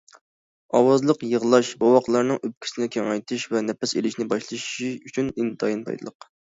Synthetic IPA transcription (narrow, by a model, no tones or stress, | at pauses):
ɑwɑzlˠəqjəʁlˠɑʃbɑwɑqlˠɑɾnɨŋʔøp̚kʲʰi̥sɪnɪkʲʰeŋɛjt̪ʰɨʃvɛnɛpɛselɪʃnɪbɑʃlˠɨʃʃiyt͡ʃʰynint̪ʰɑ̰jint̪ʰɑ̰jd̪ɨ̰lˠəq